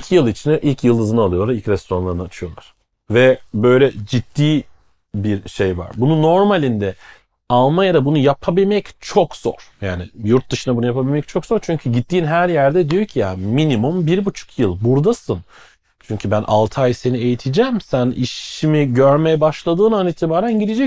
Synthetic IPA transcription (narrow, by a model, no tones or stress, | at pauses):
icʰijɯlˠit͡ʃʰinɛʔilʲcʰjɯlˠɯzɯnalˠɯjo̞lˠailʲcɾɛst̪oɾanlˠaɾɯnat͡ʃʰɯjo̞lˠa̰ɾ̥ | vɛbø̞jlʲɛd͡ʒit̪ːiː | biɾʃe̞jva̰ɾbununːo̞ɾmalʲind̪ɛ | alˠmajad̪abunujapʰabilʲmɛct͡ʃʰo̞kz̥o̞̰ɾ̥jaːnɪjuɾt̪̚d̪ɯʃɯnabunujapʰabilʲmɛc̚t͡ʃʰo̞kz̥o̞ɾt͡ʃʰyɲcʰyɟit̪ːiːnɦæɾjæɾd̪ɛd̪ijocʰijaminimumbiɾbut͡ʃʰu̥kʰjɯlˠbuɾd̪asɯn | t͡ʃʰyɲcʰybænʔa̰lˠt̪ʰajsenie̞jit̪ʰid͡ʒæmsænḭʃimiɟøɾmejɛbaʃlˠad̪ɯːnaniːt̪ʰibaːɾænɟid̪ed͡ʒɛc